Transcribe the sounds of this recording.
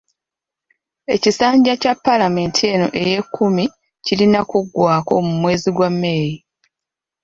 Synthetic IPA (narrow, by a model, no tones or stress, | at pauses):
e̞̰cisaːɲɟacapːalame̞ːntʰie̞no̞̰ʔe̞je̞kːumi | cilinakuɡːwaːko̞̰mumwe̞ːziɡwamːe̞ːɾi